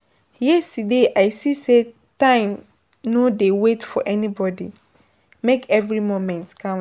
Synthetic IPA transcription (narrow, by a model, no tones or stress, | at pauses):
jɛstudeʔaɪsise | tãɪ̃m | nodewetfɔʔɛnibɔdḭ | mekɛvɹimomɛ̃ntkʰã